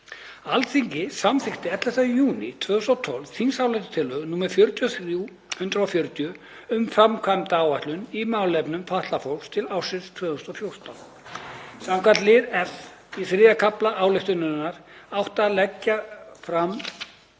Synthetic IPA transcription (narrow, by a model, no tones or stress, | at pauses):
alθʰiɲcɪsamθɪxt̪ɪɛt̪lɛhst̪ajuːnɪ̰t̪ʰvœːðʏst̪ɔt̪ʰɔlv̥θinsaːwlɛht̪ʏ̥t̪ʰɪlːœːɣnuːmɛɾ̥fjœɾt̪ʰjɔθɾiu | hʏnt̪ɾʏɔfjœɾt̪jʏ | ʏmfɾamkʰvamt̪aaːwvaht̪lʏnimaːwlɛpnʏmfaht̪lafɔwlst̪ʰɪlaːwsɪst̪ʰvœːðʏst̪ɔfjowɾ̥t̪an | samkʰat̪lɪðɛf | iθɾɪːðakʰaplaʔaːwlɛjht̪ʏnʏnaɾ̥awht̪alɛcːafɾam